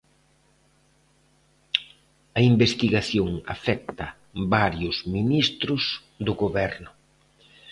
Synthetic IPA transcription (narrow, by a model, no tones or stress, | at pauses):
ɐimbest̪iɣaθjoŋa̰fɛk̚t̪ɐ | baɾjʊzminist̪ɾʊs | d̪ʊɣoβɛɾnʊ